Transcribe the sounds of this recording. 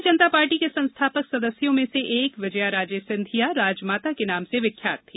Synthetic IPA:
d͡ʒɐnət̪apaːɾʈikesɐ̃nst̪ʰaːpəksɐd̪əsjõmẽseʔeːkʋɪd͡ʒəjaɾaːd͡ʒeːsɪ̃nd̪ʱijaɾaːd͡ʒmaːt̪akenaːmseʋɪkʰːja̰ːt̪ʰːiː

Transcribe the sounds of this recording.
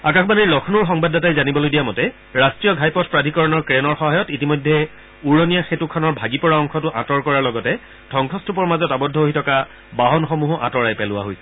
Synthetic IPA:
akaxʰbanilɔkʰnuɹxɔŋbadatajzanibɔlojdijamɔtɛ | ɹastɹijɔɡʱajpɔtʰpɹadʱikɔɹɔnɔɹkɹenɔɹxɔɦajɔtitimɔjdʱːɛ | uɹɔnijaxetukʰɔnɔɹbʱaɡipɔɹaɔŋkʰɔtʊʔãtɔɹkɔɹaɹlɔɡɔtɛ | d̥ʱɔŋkʰɔstʰupɔɹmazɔtabɔdʱːɔɦoɦitʰɔka | baɦɔnxɔmuɦɔʔã̰tɔɹajpɛlʊwa̰ɦoj

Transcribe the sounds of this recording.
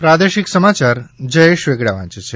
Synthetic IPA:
pɾad̪eʃiksəmat͡ʃaɾd͡ʒəjeʃʋeɡɽaʋã̰t͡ʃt͡ʃʰe

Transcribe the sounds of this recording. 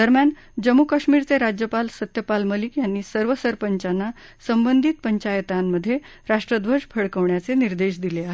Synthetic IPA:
d̪əɾmjan | d͡ʑəmːukaʂmiːɾt͡seɾad͡ʑjəpalsət̪jəpalməlikjanːiːsəɾʋəsəɾpəɲt͡ɕanːa | səmbənd̪ʱiːt̪̚pəɲt͡ɕajət̪amːəd̪ʱːje | ɾaʂʈɾəd̪ʋəd͡ʑpʰəɽkəʋɳjat͡seniɾd̪eɕ̬d̪ileaɦe

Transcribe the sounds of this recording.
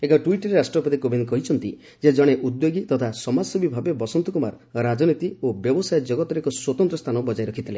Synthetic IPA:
ekɔʈuiʈɔɾeɾasʈɾɔpɔd̪ikobʱinkɔɦit͡ʃʰɔnt̪i | d͡ʒed͡ʒɔɽ̃eʔud̪joɡit̪ɔt̪ʰasɔmasɔbibʱabebɔsɔnt̪ukɔma̰ɾɔɾad͡ʒɔnit̪iobjɔbɔsajɔd͡ʒɔɡɔt̪ɔɾekɔswɔt̪ɔnt̪ɾɔst̪ʰanɔbɔd͡ʒajɾɔkʰit̪ʰile

